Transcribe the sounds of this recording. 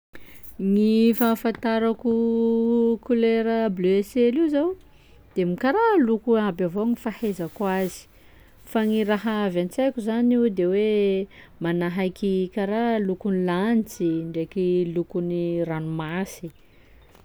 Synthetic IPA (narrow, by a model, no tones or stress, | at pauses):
ŋifafant̪aɾaku | kuleɾəblyeseliwzaw | d̪̥emikaɾalukuabavoŋifahezakuazi̥ | faŋiɾaɦaavant͡sajkʲuzaniwd̪ewe | manaɦajkikaɾalukunilanit͡siɳɖ͡ʐekilukuniranumasi